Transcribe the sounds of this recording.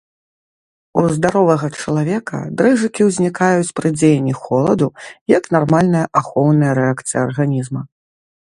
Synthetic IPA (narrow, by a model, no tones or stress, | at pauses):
uzd̪aɾɔvɐɣɐt͡ʂɐlˠavʲɛkɐ̰d̪ɾɛʐɨkʲiwzʲnʲikajut͡sʲpɾɨd͡zʲejnʲːixɔlˠɐd̪ujɐknarmalʲnɐjɐʔaxɔwnɐjɐɾɛakt̪sɨjɐɐrɣanʲizmɐ